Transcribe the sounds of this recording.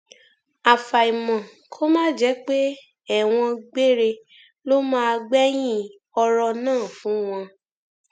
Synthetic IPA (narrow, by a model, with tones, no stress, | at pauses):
a˨fa˨i˨mɔ̃˨ | kʰo˦mãː˦d͡ʒɛ˨˦k͡pe˦ | ɛ˦˨w̃ɔ̃˧ɡ͡be˦ɾe˧ | lo˦mãː˦˧ɡ͡bɛ˦j̃ĩ˦ | ɔ˧ɾɔ˧nãː˦˨fũ˨˦w̃ɔ̃˧